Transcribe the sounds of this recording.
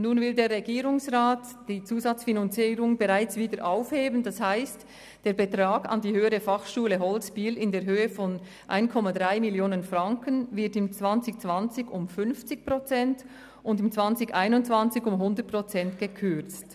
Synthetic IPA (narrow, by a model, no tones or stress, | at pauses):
nuːnvɪldeːʁɛɡiːʁʊŋsʁaːt | d̥iːt͡suːzɑt͡sfinant͡siːɾʊŋbəʁaɪt͡sviːdəɾʔaʊfheːbəndɑshaɪst | d̥eːɐbətʁaːɡɑ̰ndiːhøːəʁəfɑχʃuːləɦɔlspiːlɪndeːɐɾɦøːəfɔn | ʔa̰ɪnkʰɔmadʁaɪmɪljoːnənfʁɑŋkənvɪɐtɪmt͡sv̥ɑnt͡sɪçt͡sv̥ɑnt͡sɪçʊmfʏnft͡sɪç̚pʁot͡sɛnt | ʊndɪmt͡sv̥ɑnt͡sɪçaɪnʊntt͡sv̥ant͡sɪçʊmɦʊndət̚pʁ̥ɔt͡sɛntɡ̥əkʰʏɐt͡st